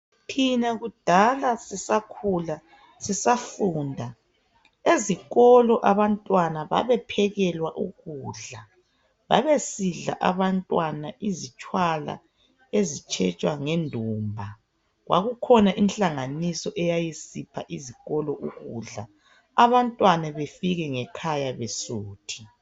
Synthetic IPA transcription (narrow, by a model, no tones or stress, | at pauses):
tʰinaɣud̥ʱalasisakʰula | sisafuːndʱa | eziɣɔlɔʔaβantʼwanaβa̰βɛpʰɛɣɛlwaʔuɣuːɮa | βa̰βesiɮa̰ʔaβantʼwanaʔizit͡ʃʼwala̰ | ezit͡ʃʰʼɛt͡ʃʼwaŋendʱuːmbʱa | ɣwa̰ɣukʰɔnaʔinɬaŋanisɔʔɛjajisipʰaʔiziɣɔlɔʔuɣuɮa | aβantʼwanaβefiɣɛŋɛkʰajaβesuːtʰi̥